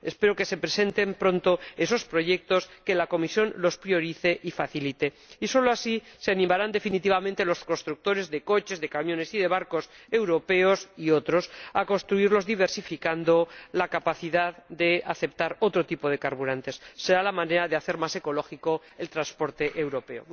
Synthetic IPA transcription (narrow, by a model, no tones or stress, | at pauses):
e̞spe̞ɾoke̞se̞pɾe̞se̞nt̪e̞mpɾõ̞nt̪o̞e̞so̞spɾo̞ʝe̞k̚t̪o̞ske̞lako̞misjo̞nlo̞spɾio̞ɾiθe̞ʔifaθilit̪e̞ | iso̞loasise̞animaɾand̪e̞finit̪iβamẽnt̪elo̞sko̞nst̪ɾuk̚t̪o̞ɾe̞zðe̞ko̞t͡ʃe̞zðe̞kamjone̞siðe̞βaɾko̞se̞wɾo̞pe̞o̞sio̞t̪ɾo̞sako̞nst̪ɾuiɾlo̞zðiβ̞e̞ɾsifikand̪o̞lakapaθiðaðd̪e̞aθe̞p̚t̪aɾo̞t̪ɾo̞t̪ipo̞ðe̞kaɾβuɾãnt̪e̞sːe̞ɾalamãne̞ɾaðeaθe̞ɾmase̞ko̞lo̞xiko̞ | elt̪ɾanspo̞ɾt̪e̞ʔewɾo̞pe̞o̰